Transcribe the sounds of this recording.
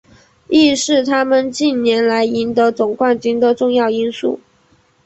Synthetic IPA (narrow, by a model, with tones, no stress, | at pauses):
i˥˧ʂɻ̩˥˩t̪ʰa˥mə˨nt͡ɕi˥˩nnjɛ˧˥nla˧˥ɪi˧˥nt̪ɤ˧˥t͡sʊ˨˩ŋkwa˥˩nt͡ɕy˥nd̪ə˨ʈ͡ʂʊ˥˧ŋjɑ˥˩ʊi˥nsṵ˥˩